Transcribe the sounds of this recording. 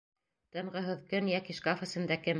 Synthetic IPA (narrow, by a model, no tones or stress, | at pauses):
t̪ɤ̆ɴʁɤ̆ɦɤðkɵnjɑkiʃkafɤ̆sɘ̆nd̪ækɘm